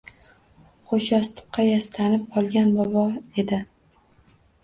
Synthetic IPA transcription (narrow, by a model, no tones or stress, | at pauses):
χoʃɒst̪ɨ̥qʰːɑjast̪anɪp̚qʰɒlˠɡʲanbɒbɒe̞d̪ɪ